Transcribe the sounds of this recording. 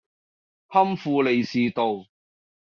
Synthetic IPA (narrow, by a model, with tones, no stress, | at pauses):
hɐ˥mfuː˧le˨jsiː˨t̪o˨w